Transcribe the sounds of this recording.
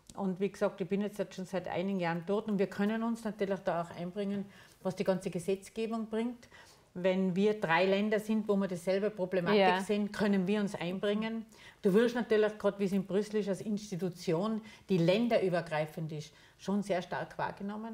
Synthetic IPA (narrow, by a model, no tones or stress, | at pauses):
ʔʊntviːɡsɑːk̚tɪçb̥ɪnjɛt͡stɛstʃoːnsaɪtʔa̰ɪnɪɡŋ̩jaːʁənd̥ɔɐtʊntviːɐkʰœnənʊnsnatyːɐlɪçd̥ɑːaʊxʔã̰ɪnb̥ʁɪŋənvɑsd̥iːɡɑnt͡səɡəsɛt͡sɡ̥eːbʊŋb̥ʁɪŋt | vɛnviːɐd̥ʁaɪlɛndɐsɪ̃ntvoːmiːɐdesːɛlbəpʁ̥oblemaːtɪkseːnkʰœnənviːɐʊnsʔã̰ɪ̃nbʁɪŋən | d̥uːʋɪɐstnatyːɐlɪxɡ̥ʁɑːtʋiːɐsɪn̚b̥ʁʏsl̩ɪʃalsɪnstitut͡sjoːnd̥iːlɛndɐʔyːbɐɡ̥ʁaɪfəndɪʃ | ʃoːnseːɐʃta̰ɐkʰv̥a̰ːɐɡ̥ənɔmən